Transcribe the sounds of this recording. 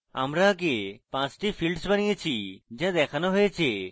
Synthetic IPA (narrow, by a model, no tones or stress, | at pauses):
a̰mɾakepãt͡ɕʈifilɖsbanijet͡ɕʰid͡ʑad̪ɛkʰanoɦojet͡ɕʰe